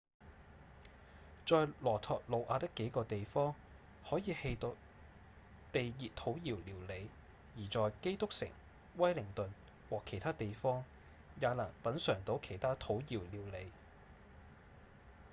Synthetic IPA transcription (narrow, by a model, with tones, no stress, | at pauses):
t͡ʃɔː˧jlɔː˨˩t̪ʰɔː˨k̚lo˨˧wʔaː˨˧t̪ɪ˥kːe˨˥jkɔː˧t̪e˨jfɔː˥ŋ | hɔː˨˥jiː˨˧he˧jt̪o˨ | t̪e˨jjiː˨˩t̚t̪ʰo˨˥wjiː˨˩wliː˨˩wle˨˧j | jiː˨˩t͡ʃɔː˨jke˥jt̪ʊ˥k̚sɪ̰˨˩ŋ | wɐ˥jlɪ˨˩ŋt̪ɵ˨n | wɔː˨kʰe˨˩jt̪ʰaː˥t̪e˨jfɔː˥ŋ | jaː˨˧lɐː˨˩ŋpɐ˨˥nsœː˨˩ŋt̪o˨˥wkʰe˨˩jt̪ʰaː˥t̪ʰo˨˥wjiː˨˩wliː˨˩wle˨˧j